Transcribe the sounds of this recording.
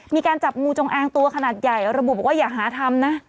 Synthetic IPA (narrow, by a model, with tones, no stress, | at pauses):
miː˧kaː˧nt͡ɕa˨˩p̚ŋuː˧t͡ɕo˧ŋʔaː˧ŋt̪u˧ɐkʰa˧naː˨˩t̪̚ja˨˩jɾa˧bu˨bɔ˨˩waː˥˩jaː˨˩k̚ɦaː˩˦t̪ʰa˧mna˦˥